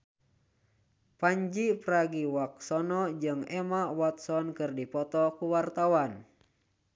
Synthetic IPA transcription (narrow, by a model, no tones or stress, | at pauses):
paɲd͡ʒipɾaɡiwak̚sɔnɔd͡ʒɨŋɛmawat̪̚sɔnkɨrdipɔt̪ɔkuwart̪awan